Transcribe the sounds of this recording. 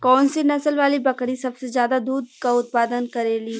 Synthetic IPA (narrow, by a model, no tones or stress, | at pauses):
kɔːnsinɐsəlʋaːlibɐkɽisɐbsezjaːd̪ad̪uːd̪̚kaʊt̪̚paːd̪ənkɐɾeːli